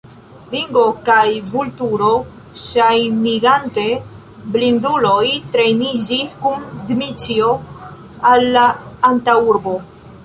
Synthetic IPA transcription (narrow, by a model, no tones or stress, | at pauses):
liŋɡo̞kajvultuɾo | ʃajniɡante | blind̪ulojtɾe̞jnid͡ʒiskundmit͡sio | alːaːntauɾbo